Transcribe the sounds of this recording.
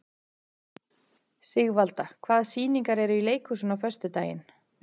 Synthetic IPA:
sɪɣvalt̪akʰvaːðsiːniŋkaɾɛɾʏileːjkʰusʏnawfœ̥st̪ʏt̪aːjɪ̰n

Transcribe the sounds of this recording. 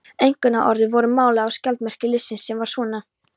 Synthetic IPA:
ejŋ̥kʏnaʔɔɾðɪvɔɾʏmaːwlaawscalt̪mɛr̥cɪlɪsːɪnsːɛmvaɾsvɔːna

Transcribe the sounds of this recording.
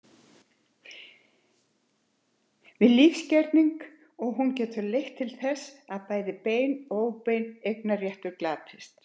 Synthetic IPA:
vɪðliːfscɛɾt̪niŋk | ɔɣɦuncɛːt̪ʏlejht̪ʰːɪlθɛsaðpaːjðɪpeːjnoːwpejnejknarjɛht̪ʏɾklaːp̪ʰɪst̪

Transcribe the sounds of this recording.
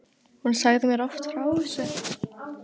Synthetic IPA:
hunsaɣðɪmɛɾɔft̪fɾaːwɪsʏ

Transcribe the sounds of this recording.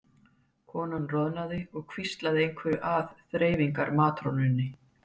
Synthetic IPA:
kʰɔːnanrɔðnaðɪɔɣkʰvist̪laðɪejŋkʰvɛɾʏʔaðθɾeːjviŋkaɾmaːt̪ɾonʏnːɪ

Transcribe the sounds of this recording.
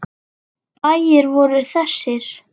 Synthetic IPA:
paːjɪɾvɔɾʏɾ̥θɛsːɪɾ̥

